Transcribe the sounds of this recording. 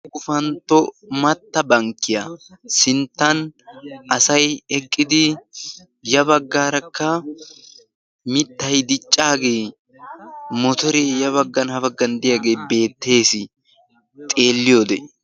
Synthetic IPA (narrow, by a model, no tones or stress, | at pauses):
ɡʊfɐnt̪ːɔmɐt̪ːɐbɐŋkːɪjasɪnt̪ːɐn | ɐsɐjɛkʼːɪd̪ɪ | jɐbɐɡːaːɾɐkːɐ | mɪt̪ːɐjd̪ɪt͡ʃʼːaːɡe̞ː | mɔt̪ɔɾejɐβɐɡːɐnhɐfɐɡːɐnd̪ɪjaɡe̞ːbe̞ːt̪ːe̞ːsɪ | t̪ʼe̞ːlːɪjoːd̪ɛ